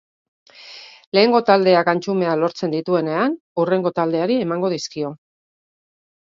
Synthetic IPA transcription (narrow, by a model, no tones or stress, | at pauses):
le̞ːŋɡo̞t̪ald̪e̞akant͡ʃume̞alo̞ɾt͡se̞nd̪it̪ue̞ne̞an | ure̞ŋɡo̞t̪ald̪e̞aɾie̞maŋɡo̞ð̞iskio̞